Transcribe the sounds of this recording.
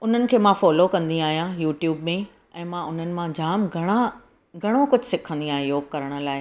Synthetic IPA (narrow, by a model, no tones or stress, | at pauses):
ʊn̤ənɪ̆kʰeːmãfɔːlokɐ̃nd̪ĩaːɦijãjuːʈjuːbmẽ | ɛ̃ːmãʊn̤ənɪ̆mãd͡ʑaːmɡʱɐɽ̃a | ɡʱɐɽ̃okʊd͡ʑʱsɪkʰə̃nd̪ĩaːɦẽjoːɡkɐɾəɽ̃ə̆laːɪ